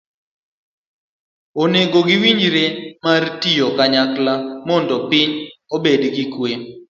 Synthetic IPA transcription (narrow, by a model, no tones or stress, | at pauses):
oneɡoɡɪwiɲɾemartijokaɲaklamɔndɔpɪɲobedɡikwe